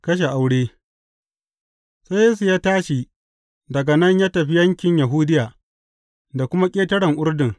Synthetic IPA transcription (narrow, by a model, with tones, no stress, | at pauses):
kɐ˦ʃ̬e˨ʔa˨wɽeː˦ | sa˦jeː˦s̬u˨jaː˦taː˦ʃi˨ | dɐ˨ɡa˨nɐ˦ɲjaː˦tɐ˨ɸi˦jɐ˦ŋkʲɪ˨ɲjɐ˨ɦʊ˦dɪ˦jaː˨ | da˨kʷʊ˦ma˦kʲʼeː˦tɐ˦ɽɐ˨ŋʔʊ˦rdɪ˨ŋ